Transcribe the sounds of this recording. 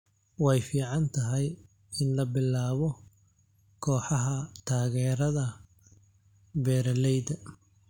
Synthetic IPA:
wɑjfiːʕɑnt̪ʰɐɦɛj | ɪnlɐbɪlːaːβɔ | kʰɔːħɑɦɐt̪ʰaːɣɛːɾɐðɐ | bɛːɾɐlɛjd̪ɐ

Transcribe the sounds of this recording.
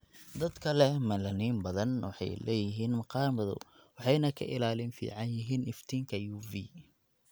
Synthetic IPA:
d̪ɐd̪kʰɐlɛmɐlɐniːmbɐðɐnwɑ̰ħɑ̰jlɛ̰ːjɪɦiːnmɑqɑːmɐðʊ̰wɑħɑjnɐkʰɐ̰ʔɪlaːlɪnfḭːʕɑnjɪɦiːnɪft̪ʰiːŋkʰɐjuːviː

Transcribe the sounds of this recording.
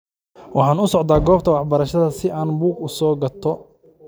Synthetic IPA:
wɑħɑːnʊsɔʕd̪aːɡɔːb̚t̪ʰɐwɑħbɐɾɐʃɐðɐsɪaːnbuːɡʊsɔːɡɐt̪ʰɔ

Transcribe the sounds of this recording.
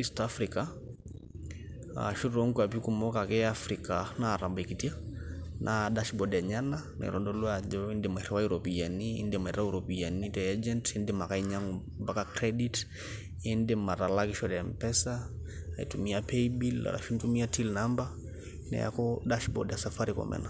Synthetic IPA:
istafɾika | a̰ʃuɾɔŋkwap̬ikumɔkakɛafɾikanaɾambaikitianʔadaʃbɔdaɲana | na̰ɾɔndɔlwad͡ʒɔindemɛɾɛwajuɾɔpijanḭːndemɛɾauɾɔpianitɛad͡ʒɛntindemakaiɲaŋɔ | mbakakɾɛdit | endemaɾalakɪʃɔɾampɛsa | ḭtumiapɛibila̰la̰ʃintumiatilnamba | nɛ̰ja̰kɔdaʃbɔ̰djasafaɾikɔ̰mɛ̰na

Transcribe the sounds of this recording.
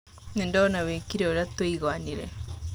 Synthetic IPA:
nendanawekiɾeoɾatweiɣwaniɾɛ

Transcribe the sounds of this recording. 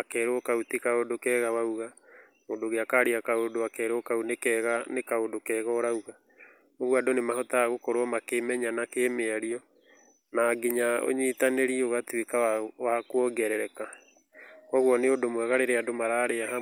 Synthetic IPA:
akɛːɾokautikaodokɛɣawauɣa | moːndoɣeakaɾiakaodoakɛːɾokaunekɛɣanekaodokɛːɣɔɾauɣa | oɣwadonemaɦɔtaaɣokoɾoɔmakemɛɲanakemeaɾiɔ | naːɡiɲao̰ɲitaneɾiɛoɣatwekawakwɔɡɛɾɛɾɛka | ɔɣwɔneodomwɛɣaɾeɾeadomaɾaɾeaɦa

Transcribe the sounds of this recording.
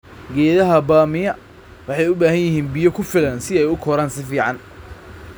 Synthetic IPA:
ɡɛːðɐɦɐbaːmɪjɐ | wɑħɑjʊbaːhɐnjɪɦiːnbɪjɔkʰʊfɪlɐnsɪɛjʊkʰɔɾaːnsɪfiːʕɑn

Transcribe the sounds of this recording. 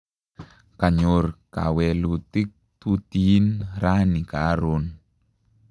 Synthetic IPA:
kaɲorka̰wɛlut̪ik̚t̪ut̪inɾanikaɾon

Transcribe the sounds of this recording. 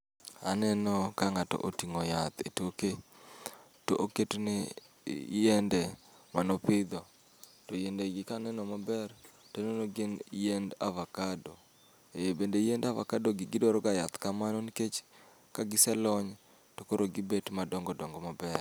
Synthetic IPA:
a̰nɛnɔkaŋatɔ̰ʔotiŋojat̪etoke | toʔoketnɛ | jendemanopɪd̪ɔ | tojendeɡɪkanɛnɔmabɛr | tononoɡenjenda̰vakado | ebendejendava̰kadoɡɪɡɪdoɾɔɡajat̪kamanɔniket͡ʃ | kaɡɪsɛlɔɲ | tokoɾoɡɪbetmadɔŋɡɔdɔŋɡɔmabɛr

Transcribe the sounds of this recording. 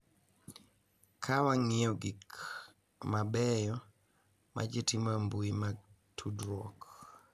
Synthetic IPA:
kʰawaŋiɔɡik | mabɛjɔ | ma̰d͡ʒetimambuima | tʰudɾɔk

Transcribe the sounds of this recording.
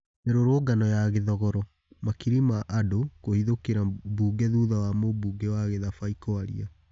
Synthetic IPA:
eɾoɾoːɡanɔjaɣeðɔɣɔɾɔ | makiɾimaʔadokohiðokeɾabuːɡɛðuːðawamobuːɡewaɣeðafaikɔaɾḭa

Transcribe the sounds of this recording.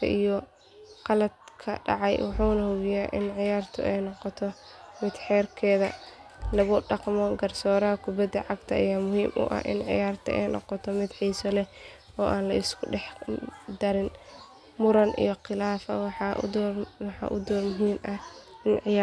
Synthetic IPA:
kʰɐ̰ʔijɔ | qɑlɐd̪̚kʰɐ̰ɖɑ̰ʕɑjwɑħuːnɐhʊɣɪjaːʔɪnʕɪjaːrt̪ʰɔ̰ʔɛjnɔqɔt̪ʰɔ | mɪd̪ħɛːrkʰɛːðɐ̰ | lɐɣʊɖɑqmɔɡɐrsɔːɾɐɦɐkʰʊbɐd̪ːɐʕɑɡt̪ʰɐːjaːmʊhiːmʔʊ̰ʔɐ̰hʔɪ̰nʕɪ̰jaːrt̪ʰɐ̰ɛ̰jnɔ̰qɔt̪ʰɔmɪd̪ħiːsɔlɛ | ɔːʔaːnlɐɪskʰʊɖɛħd̪ɐɾɪn | mʊɾɐnʔḭjɔqɪlaːfɐ̰wɑħɑd̪wɑħɑ̰ʔʊd̪ɔːrmʊɦiːmʔɐɪnʕɪj

